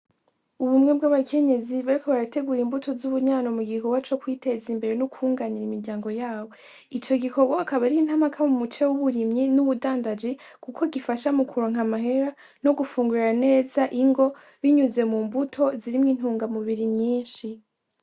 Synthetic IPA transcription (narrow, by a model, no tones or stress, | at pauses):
uβumŋe̞bɡaβakʰe̞ɲe̞ziβaɾikoβaɾate̞ɡuɾimbutʰo̞zuβuɲaːno̞muɡikoɡwat͡ʃo̞kwiːte̞zimbe̞ɾe̞nukuːŋɡaniɾimiɾɟaːŋɡo̞jaːwo̞ | it͡ʃo̞ɡiko̞ɡwaakaβaɾihin̥hamakʰamumut͡ʃewuβuɾimɲinuβudaːndad͡ʒi | kukʰoɡifaʃamukʰuɾoŋ̥amaɦe̞ɾa | no̞ɡufuːŋɡuɾiɾane̞ːzaʔiŋɡo̞ | βiɲuze̞muːmbutʰo̞ziɾimŋiːn̥huːŋɡamuβiɾiɲɲiːnʃi